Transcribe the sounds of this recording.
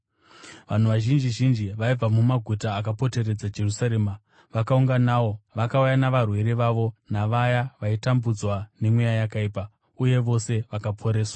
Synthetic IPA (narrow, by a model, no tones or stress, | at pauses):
ʋan̤uʋaʒind͡ʒiʒind͡ʒiʋaib͡vamumaɡʱutaːk̬apo̞te̞ɾe̞d͡zad͡ʒe̞rusaɾeːma | ʋakauŋɡanaːwo̞ʋakaujanaʋarwe̞ɾeʋaʋo̞naʋajaʋaitambud͡zwane̞mwejajakaiːpa | uje̞ʋo̞se̞ʋakapʰo̞ɾe̞ːswa